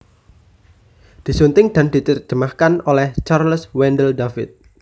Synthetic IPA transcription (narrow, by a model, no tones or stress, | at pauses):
d̪̥i̤sunt̪ɪŋd̪̥a̤nd̥̪i̤t͡ʃ̪ərd͡ʒ̥ə̤mahkanolɛht͡ʃarlswɛndəldafɪ̰t̪̚